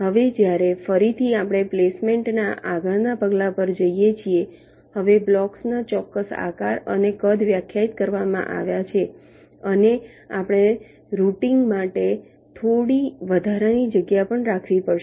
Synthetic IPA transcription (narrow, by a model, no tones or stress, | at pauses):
ɦəʋed͡ʒjaɾefəɾit̪ʰiapɽ̃eplesmeɳʈnaʔaɡəɭnapəɡlapəɾd͡ʒəijet͡ʃʰie | həʋeblɔksnat͡ʃɔkːəsa̰kaɾə̰nekəd̪ʱʋjakʰjait̪̚kəɾʋamã̰ʔa̰ʋjat͡ʃʰe | əne | a̰pəɽ̃e | ɾuʈiŋɡmaʈe | t̪ʰoɽiʋəd̪ʱaɾanid͡ʒəɡjapəɳɾakʰʋipəɽʃ